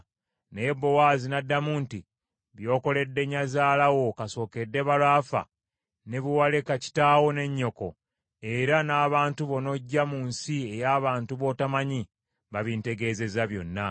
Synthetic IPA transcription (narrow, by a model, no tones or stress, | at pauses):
neje̞bːo̞waːzinadːamuːnti | βjo̞ːko̞le̞dːe̞ɲːazaːlawo̞kaso̞ːke̞dːe̞βalaːfa̰ | ne̞βuwale̞kaci̥taːwo̞ne̞ɲːo̞ko̞̰ | e̞ɾanaːβaːntuβo̞no̞ɟːamunsie̞jaːβaːntuβo̞tamaɲi | βaβinte̞ɡe̞ːze̞zaβjo̞̰nːa